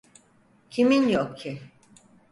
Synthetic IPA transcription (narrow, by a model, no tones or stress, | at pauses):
cʰiminjokcʰi